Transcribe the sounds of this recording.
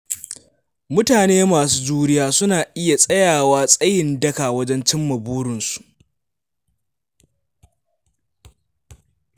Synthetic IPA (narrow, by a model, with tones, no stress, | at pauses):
mʊ˦taː˨neː˦maː˨s̬uː˦d͡ʒuː˦ɽɪ˦jaː˦sʊ˦naː˨ʔɪ˦ja˨sʼɐ˦jaː˨waː˦sʼɐ˦jɪ˨ndɐ˦kaː˨wɐ˦d͡ʒɛ˦nt͡ʃɪ˦mːɐ˨buː˦ɽɪ˨nsu̥˨ʔ